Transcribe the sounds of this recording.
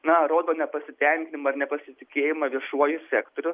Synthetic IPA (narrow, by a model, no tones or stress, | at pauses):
nɐɾoːd̪oːnʲɛpɐsʲɪt̪ʲɛŋʲkʲɪnʲɪmɐɐrnʲɛpɐsʲɪt̪ʲɪkʲeːjɪmɐʋʲiɛʃuɔjʊsʲɛːkt̪oːɾʲʊ